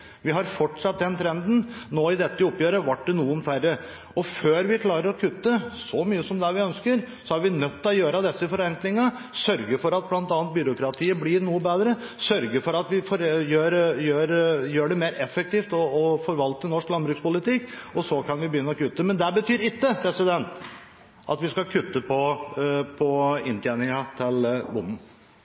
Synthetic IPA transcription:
ʋɪɦɑɾfɔʈʂɑt̪̚d̪ɛnt̪ʰɾɛnd̪n̩noːɪd̪ɛt̪ːəʊpːjøːɾəʋɑʈ̚ɖɛnuːənfæɾːə | ɔføːɾʋɪkʰlɑːɾəɾɔkʰʉt̪ːəsɔmyːəsɔmd̪ɛʋɪœnskəɾ | sɔæɾʋɪnœt̪ːɔjøːɾəd̪ɛsːəɪfɔɾɛnt̪lɪŋːə | sœɾɡəɾfɔɾɑt̪̚blɑnt̪ɑːnt̪̚bʏɾʊkɾɑt̪ʰiːəblɪɾnuːəbeːd̪ɾəsœɾɡəɾfɔɾɑt̪ʋɪfɔɾjøːɾjøːɾjøːɖɛmeːɾɛfːɛk̚t̪iːft̪ɔɔfɔɾʋɑlt̪ənɔʂklɑnbɾʉkspʊlɪt̪ɪkːɔsɔkʰɑnʋɪbəjʏnːəɔkʉt̪ːəmɛnd̪æbət̪ʰyːɾɪkːəpʰɾɛsɪd̪ɛnt̪ | ʔɑ̰t̪ʋɪskɑkʰʉt̪ːəpʰɔpʰɔɪ̰nt̪ʰjæːnɪŋət̪ʰɪlbʊmːn̩

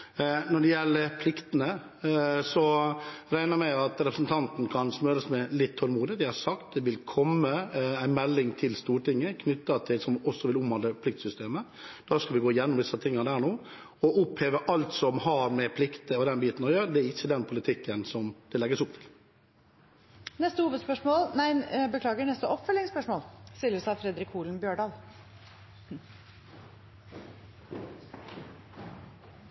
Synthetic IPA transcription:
nɔɖɛjɛlːəɾpʰlɪkt̪ənə | sɔɾæɪnəɾmæɑt̪ɾɛpɾəsnt̪ʰɑnt̪nkʰɑnsmøɾəsmɛlɪt̪ʰːɔlmuːd̪ɪd̪æɪhɑsɑkt̪̚d̪ɛʋɪlkʰɔmːəæɪnmɛlːɪŋt̪ʰɪlst̪uːɾʈɪŋːəkʰnʏt̪ːɑt̪ʰɪlsɔmɔsːɔʋɪlʊmhɑnəpʰlɪk̚t̪sʏst̪eːmə | d̪̥ɑːskɑlʋɪɡoːɪjɛnːʊmd̪ɪsːɑt̪ʰɪŋːɑd̪æːɳoː | ɔʔʊpheːʋəʔɑlt̪sɔmhɑɾmɛpʰlɪkt̪əɔd̪ɛnbiːt̪nɔjøːɾəd̪ɛæɾɪçːəd̪ɛnpʰʊlɪt̪ʰɪkːənsɔmd̪̥ɛlɛɡːəsʊp̚t̪ʰɪl | nɛst̪əhuːʋəd̪spœʂmoːlnæɪbəkʰlɑːɡəɳɛst̪əʔɔpfœlːɪŋspœʂmoːlst̪ɪlːəsɑfɾɛd̪ɾɪkʰːuːlnbjøːɖɑːl

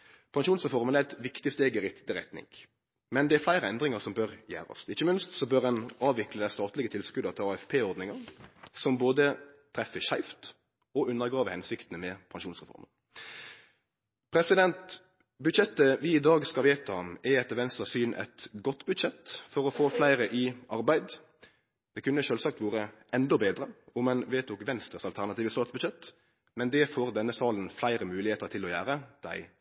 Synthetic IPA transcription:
pʰɑŋʃuːnsʁɛfɔʁmənæɛt̪ʋɪkt̪ɪst̪eːɡɪʁɪt̪d̪ɪɾɛt̪nɪ̰ŋ | mɛnd̪ɛæɾflæɪɾəɛnd̪ɾɪŋəʁsɔmbøʁjæ̰ːɾɔ̰sɪçːəmɪnst̪sɔbøʁdɛnɑːʋʋɪkləd̪æɪst̪ɑːt̪lɪɡət̪ʰɪlskʉd̪ɑt̪ʰɪlɑːɛfpʰeːɔɾd̪nɪŋɑnsɔmboːd̪ət̪ʰɾɛfəçæɪft̪ | ɔʉnːəɾɡɾɑːʋəhɛnsɪkt̪ənəmɛpʰɑŋʃuːnsʁɛfɔ̰ɾmən | pʰɾɛsɪd̪ɛnt̪ | bʉd̪ʃɛt̪ːəʋɪːd̪ɑːɡskɑʋeːt̪əɔmɛɛt̪ːəʋɛnst̪əsyːnʔɛ̰t̪ɡɔt̪ːbʉd̪ʃɛt̪ːfɔɾɔfoːflæɪɾəʔɪʔɑɾbæɪd̪ | d̪̥ɛkʉnːəʃøːlsɑk̚t̪ʋuːʁəɛnd̪ɔbeːd̪ɾəʊmɛnʋeːt̪ʰuːkʋɛnst̪ʁəsɑlt̪ʰæʁnɑt̪iːʋəstɑːt̪sbʉʃɛt̪ː | mɛnd̪ɛfoːʁd̪ɛnːəsɑːlənflæɪɾəmʉːlɪheːt̪əɾt̪ʰɪlɔjæːɾəd̪̥æ̰ɪ

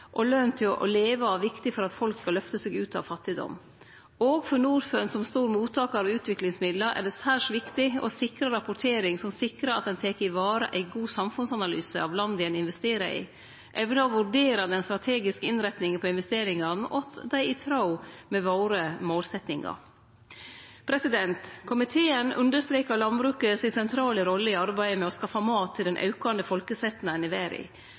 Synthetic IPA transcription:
ʔɔlœnt̪ʰɪlʔɔ̰leːʋəʋɪkt̪ɪfɔɾɑt̪fɔlkskɑlœft̪əsɛːɡʉːt̪ʰɑ̰ʋfɑt̪ːɪd̪ɔ̰mː | oːɡfɔɾɳuːɾfœnsɔmst̪uːɾmuːt̪ʰːɑːkɑʋʉːt̪ʋɪklɪŋsmɪd̪ləɾʔæ̰ɖɛsæːʂʋɪkt̪ɪɔ̰sɪkɾəɾɑpʊʈʰeːɾɪŋsɔmsɪkɾəɑt̪̚d̪ɛnt̪ʰɛkəɪʋɑːɾə̰ʔæɪɡuːsɑmfʉnsɑnɑlyːsəɑʋlɑnd̪ɪɛnɪnʋɛst̪eːɾə̰ɪ̰ | ʔɛʋnəɔʋʉɖeːɾɑd̪ɛnst̪ɾɑt̪ʰeːɡɪskəɪnɾɛt̪nɪŋəpʰɔɪnʋɛst̪eːɾɪŋɑnəʔɔt̪d̪æɪɪt̪ʰɾɑʊmɛʋoːɾəmoːlsɛt̪nɪŋɑ̰ɾ | pʰɾɛsɪd̪ɛnt̪kʰʊmɪt̪ʰeːənʉ̰nd̪əʂt̪ɾeːkəɾlɑnbɾʉːkəsɪsɛnt̪ʰɾɑːləɾɔlːəɪɑɾbæɪəmɛɔskɑfːɑmɑːt̪ʰːɪld̪ɛnʔɑ̰ʉkɑnd̪əfɔlkəsɛt̪ːnənɪʋæːɾɪ̰

